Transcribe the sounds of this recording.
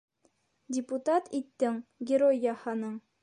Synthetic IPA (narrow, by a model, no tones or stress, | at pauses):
dʲɪput̪at̪it̪ːɘŋɡʲɪɾojːɑhɑnɤɴ